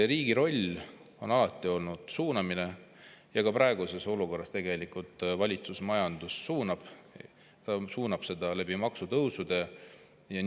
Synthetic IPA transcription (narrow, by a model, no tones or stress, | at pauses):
ɾiːɡ̥iɾo̞lʲ | o̞nɑlɑt̪ːˑio̞lnud̪̥suːnɑmine̞jɑkɑpɾɑeɡ̥use̞so̞luko̞rːɑst̪e̞ɡ̥e̞likult̪ˑvɑlʲit̪susmɑjɑnd̪̥usːuːnɑb̥ | t̪ɑsuːnɑb̥se̞d̪ɑleb̥imɑksut̪ɤwsud̪e̞ | jɑn